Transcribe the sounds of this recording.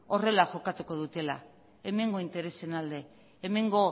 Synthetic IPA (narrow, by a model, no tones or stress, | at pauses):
o̞re̞laxo̞kat̪uko̞ðut̪e̞la̰ | e̞me̞ŋɡo̞int̪e̞ɾe̞se̞nald̪e̞ː | me̞ŋɡo̞